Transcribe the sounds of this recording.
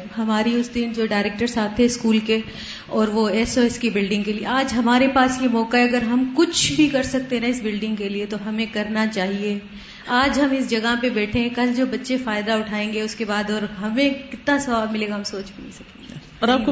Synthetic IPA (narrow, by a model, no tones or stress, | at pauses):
ɦɐmaːɾiʊsd̪ɪnd͡ʒoːɖaːɪɾeːk̚ʈəɾsaːt̪ʰːɛɪskuːlke | ɔːɾʋoɛsoːɛskibɪlɖɪ̃ŋɡkeliḛaːd͡ʒɦɐmaːɾepaːsjemɔːkaɦɛɐɡəɾɦɐmkʊt͡ʃʰbʱikɐɾsɐk̚t̪eɦnɛ̃ɪsbɪlɖɪ̃ŋɡkeliet̪oɦɐmẽkɐɾnat͡ʃaːɦie | aːd͡ʒɦɐmɪsd͡ʒɐɡaɦpebɛːʈʰẽɦɛ̃kɐld͡ʒoːbɐtːʃefaːɪd̪aʊʈʰaːẽːŋɡeʊskebaːd̪ɔːɾɦɐmẽkɪt̪nasɐʋaːbmɪleːɡaɦɐmsoːt͡ʃbʱinĩsɐkẽ | ɔːɾaːpk